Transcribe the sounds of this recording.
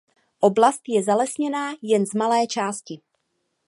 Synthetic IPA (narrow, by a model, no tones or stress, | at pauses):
ʔoblast̪jɛzalɛsɲɛnaːjɛnzmalɛːt͡ʃaːscɪ